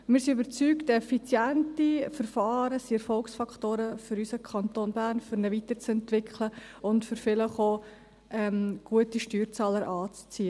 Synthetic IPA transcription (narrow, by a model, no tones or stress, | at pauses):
mɪːɾsiybəɾt͡syːktɛfit͡sjɛntifəɾfɑːɾəsiɛɾfɔlksfɑktoːɾəfʏɾysəkʰɑntoːnbæːɾnfʏɾnəvitəɾt͡sɛntʋɪkʰləʊntfʏɾfɪləχoː | ʔɛmɡ̥uətiʃtyːɾt͡sɑːləɾʔɑːt͡st͡siːə